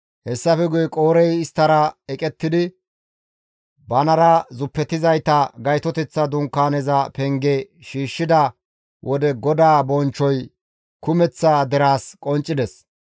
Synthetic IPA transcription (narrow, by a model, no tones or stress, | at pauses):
hɛsːɐfɛɡʊjɛkʼoːɾɛjɪst̪ːɐɾɐɛkʼɛt̪ːɪd̪ɪ | bɐnɐɾɐzʊpːɛt̪ːɪzɐjt̪ɐɡɐjt̪ɔt̪ɛt͡sːɐd̪ʊŋkːaːnɛzɐpɛŋɡɛʃiːʃːɪd̪ɐ | wʔɔd̪ɛɡɔd̪aːbɔnt͡ʃːɔj | kʊmɛt͡sːad̪ɛɾaːskʼɔnt͡ʃʼːɪd̪ɛs